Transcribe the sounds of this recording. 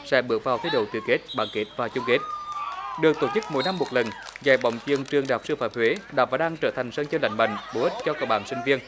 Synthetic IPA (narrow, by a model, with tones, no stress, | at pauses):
sɛ̰˧˥ɓɨ˨˦ək̚vaː˨˩wt̪ʰe˨˦jɗo̰˧˨˩t̪ɨ̰˨˩əke˦˥t̚ɓa̰ː˧˥nke˦˥t̚vaː˨˩t͡ɕʊ˧ŋ͡mke˦˥t̚ɗɨ˨˩ək̚t̪o˧˩t͡ɕɨ˦˥k̚mo̰˧˨˦jna˧mːo˨˩t̚lə˨˩nza̰ː˧˩j̚ɓɔ̰˧˨wŋ͡mt͡ɕɨ˧˩əŋt͡ɕɨ˨˩əŋɗaː˨˩p̚sɨ˧faː˧˨mhwe˨˦ɗa̰ː˨˩wvaː˨˩ɗaː˧ŋt͡ɕəː˧˩t̪ʰa˨˩jŋ̟səː˧ŋt͡ɕəː˧la̰˧˨˦jŋ̟ɓa̰˧˨jŋ̟ɓo˨˦ʔi˦˥t̚t͡ɕɔ˧kəː˧˩ɓaː˧˩nsï˧ŋ̟vi˧ən